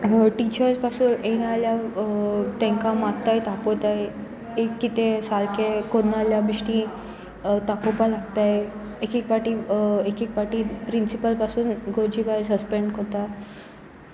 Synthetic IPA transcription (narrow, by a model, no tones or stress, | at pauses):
ʈit͡ɕəɾspasuːnenalja | t̪ẽŋkamatt̪ːajt̪apot̪aje | ekːit̪esalkekonːaljabiʂʈĩ | t̪akopalaɡt̪aje | ekikʋaʈiekikpaʈipɾinsipəlpasuːnɡʱoɾd͡ʑibasəspeɳɖkot̪a